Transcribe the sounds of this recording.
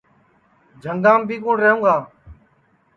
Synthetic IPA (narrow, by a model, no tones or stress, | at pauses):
d͡ʒʱəŋɡãːmbʱiːkʊ̃ːɳɾəːɦũːŋɡaː